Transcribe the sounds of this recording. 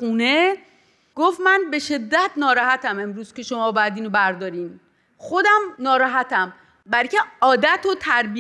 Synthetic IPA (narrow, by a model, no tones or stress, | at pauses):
uːne | ɡ̥oft̪mænbe̞ʃe̞d̪ːæt̪nɒːɾɒhæt̪ʰæme̞mɾuːz̥ke̞ʃo̞mɒːbæd̪iːnobæɾd̪ɒːɾiːn | xod̪æmnɒːɾɒːɦæt̪ʰæm | bæɾcʰe̞ɒːd̪æt̪ʰot̪ʰæɾbi